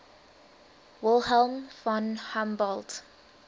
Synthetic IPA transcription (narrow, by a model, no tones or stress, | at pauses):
wɪlˠɦɛlˠmfɔ̃nhãmbɔlˠd